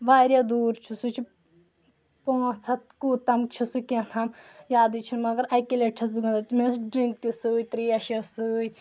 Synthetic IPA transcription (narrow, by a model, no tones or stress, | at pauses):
ʋaːɾʲjad̪uːɾt͡ʃʰusut͡ʃʰi | põːt͡sʰɐt̪̚kut̪ɐmt͡ʃʰusukẽt̪ʰɐmjaːd̪it͡ʃʰunmɐɡɐɾɐjkileʈʰɐs̬biɡɐ̃nd̪ɐt̪mesɖɾiŋk̚t̪isuːjt̪ɾiːɐʃɐsɨːj